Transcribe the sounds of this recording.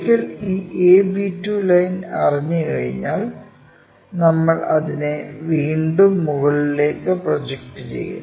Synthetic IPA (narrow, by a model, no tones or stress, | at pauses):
kːɐliːʔeːbitːjuːlɐjnɐriɲːɨkɐɻḭɲːaːl | nɐmːɐɭɐðineʋiːɳɖumːuɣɐɭile̞ːkːɨprod͡ʑek̚ʈɨt͡ɕe̞̰jːṵn